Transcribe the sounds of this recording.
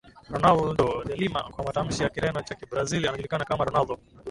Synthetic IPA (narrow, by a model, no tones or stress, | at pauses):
ɾɔnalɖodelima̰kwamatamʃijakiɾanot͡ʃakibɾazilaŋɡlikanakamaɾɔnaldo